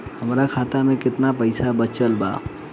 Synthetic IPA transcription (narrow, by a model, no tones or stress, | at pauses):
hɐmɾakʰaːt̪amẽkɪt̪napəɪsabət͡ʃəlba̰ː